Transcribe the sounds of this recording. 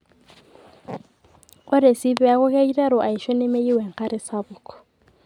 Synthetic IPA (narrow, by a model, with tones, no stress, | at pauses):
ʊ˦ɾɪ˨si˦bɛ˦a˦ɣʊ˦ka˦i˦rɛ˦ɾʊ˨ʔa˨i˨ʃɔ˦ne˦me˦i˦wɛ˨ŋ̩˨χa˦ɾɪ˦sabʊː˨kʰʼɔ̥˨